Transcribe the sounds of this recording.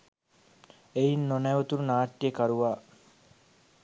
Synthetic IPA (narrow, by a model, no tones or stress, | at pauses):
ejinːonæʋot̪uɾunaːʈːijekaɾuʋaː